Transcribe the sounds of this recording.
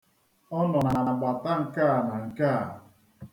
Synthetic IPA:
ɔ˦nɔ˨na˨na˨ɡ͡ba˨ta˦ŋ̩˨ka˦a˨na˨ŋ̩˨ka˦a̰˨

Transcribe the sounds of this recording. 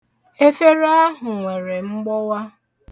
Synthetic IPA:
e˦fe˦ɾa˦ɦʊ˨ŋʷe˨ɾe˨ŋ͡m̩˦ɡ͡bɔ˦wa˦

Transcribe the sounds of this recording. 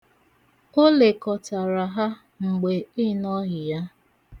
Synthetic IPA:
o˦le˨kɔ˨ta˨ɾa˨ɦa˦ | ŋ͡m̩˨ɡ͡be˨ɪ˦nɔ˦ɣɪ˨ja˦

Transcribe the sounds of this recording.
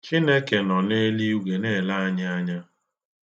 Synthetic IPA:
t͡ʃi˦ne˦ke˨nɔ˨ne˦li˦u˦ɡʷe˨neː˦˨la˦a˦ɲa˦a˦ɲa˦

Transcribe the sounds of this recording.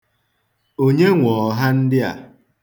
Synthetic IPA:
o˦ɲe˦ŋʷɔ˨ɦa˦n̩˦dɪ˦a̰˨

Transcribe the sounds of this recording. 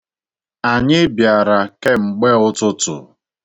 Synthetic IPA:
a˨ɲɪ˦bja˨ɾa˨ke˦ŋ͡m̩˨ɡ͡be˦ʊ˦tʊ˦tʊ̰˨

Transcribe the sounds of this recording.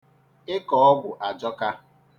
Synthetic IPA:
ɪ˦kɔ˨ɔ˦ɡʷʊ˨ʔa˨d͡ʒɔ˦ka˦

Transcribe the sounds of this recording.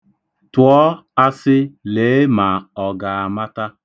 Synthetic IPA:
tʊ˨ɔ˦a˦sɪ˦leː˨˦ma˨ɔ˨ɡa˨a˨ma˦ta˦

